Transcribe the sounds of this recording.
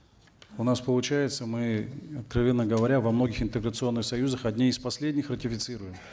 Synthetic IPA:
ʊnaspəlˠʊt͡ɕæjɪt̪səmɨɐt̪̚kɾɐvʲenːəɡəvɐɾʲavɐmno̞ɡʲɪxɪnt̪ɨɡɾət̪sɨo̞nːɨxsɐjuzəxɐd̪ʲnʲiɪspɐsʲlʲedʲnʲɪxrətʲɪfʲɪt̪sɨɾʊjɪm

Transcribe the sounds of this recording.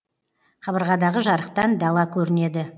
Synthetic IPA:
χɑbəɾʁɑd̪ɑʁəʒɑɾəq̚t̪ɑnd̪ɑlˠɑkʲʰɵɾɪne̞d̪ɪ

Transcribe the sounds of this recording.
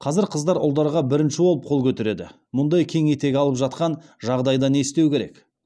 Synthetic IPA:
qʰɑzɪɾqʰəzd̪ɑɾʊ̰lˠd̪ɑɾʁɑbɪɾɪnʃɪwo̞lˠəp̚qʰo̞lˠkʲʰɵt̪eɾe̞d̪ɪ̰ | mʊnd̪ɑjkʲʰe̞ŋet̪e̞ɡʲɑlˠəpʒɑt̪̚qɑnʒɑʁd̪ɑjd̪ɑne̞st̪e̞wkʲe̞ɾe̞̰k

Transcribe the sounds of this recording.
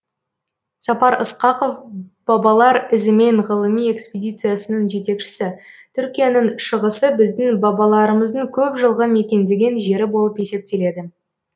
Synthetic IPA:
sɑpɑɾəsqɑqo̞fb̥ɑbɑlˠɑɾɪzɪme̞ɴʁəlˠəmije̞kspʲedʲijt̪sɨjasənəɴʒe̞t̪e̞kʃɪ̥sɪt̪ʰʏɾkʲijanɪŋʃəʁəsəbɪzd̪ɪŋbɑbɑlˠɑɾəməzd̪əŋkʲʰɵpʒəlˠʁəme̞kʲe̞nd̪e̞ɡʲe̞nʒe̞ɾɪbo̞lˠəpje̞se̞p̚t̪e̞le̞d̪ɪ

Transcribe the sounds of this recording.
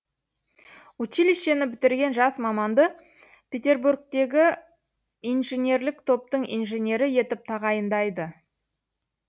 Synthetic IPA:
ut͡ʃiliʃe̞nɪbɪt̪ɪɾɡʲe̞nʒɑsmɑmɑnd̪ə | pʲe̞t̪ʲe̞rburk̚t̪e̞ɡʲɪ | ijnʒenʲe̞ɾlɪkt̪ʰo̞p̚t̪əɴḭjnʒe̞nʲe̞ɾɪje̞t̪ɪp̚t̪ʰɑʁɑjənd̪ɑjd̪ə

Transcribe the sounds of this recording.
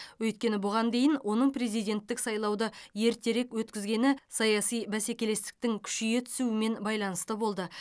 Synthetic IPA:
wɵjt̪̚kʲe̞nɪbʊʁɑnd̪e̞jɪnwʔo̞nəɴpre̞zijd̪ʲe̞nt̪ːɪksɑjlˠɑwd̪əje̞ɾt̪e̞ɾe̞kwɵt̪kʲɪzɡʲe̞nɪsɑjɑsijbæse̞kʲe̞le̞st̪ɪ̥k̚t̪ɪŋkʲʰʏ̥ʃijet̪ʰʏ̥suɪme̞nbɑjlˠɑnəst̪əbo̞lˠd̪ə

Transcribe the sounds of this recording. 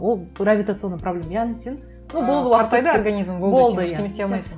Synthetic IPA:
wolˠravʲit̪at̪sɨonːjprɐblʲe̞mjanesʲen | nubo̞lˠd̪əɑɾt̪ɑjd̪əorɡanʲizmbobolˠd̪əjaemesd̪eɑlmɑjsə

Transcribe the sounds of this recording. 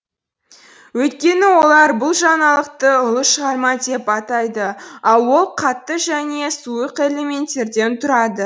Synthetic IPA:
wɵt̪̚kʲe̞nɪwo̞lˠɑɾbʊlˠʒɑnɑlˠəqt̪əʊlˠəʃəʁɑɾmɑd̪e̞pɑt̪ɑjd̪əɑlˠwo̞lˠqʰɑt̪ːəʒæne̞suəqe̞le̞me̞nt̪ʲːe̞ɾd̪e̞nt̪ʰʊɾɑd̪ə

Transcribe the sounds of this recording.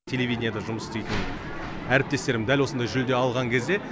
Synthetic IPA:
t̪ʲʰe̞lʲe̞vʲijd̪ʲɪnʲjad̪ɑʒʊməsst̪ejt̪ən | æɾɪp̚t̪e̞st̪e̞ɾmɪnd̪ælwosənd̪ɑjʒʏld̪e̞ɑlˠʁɑŋkʲʰe̞zd̪e̞

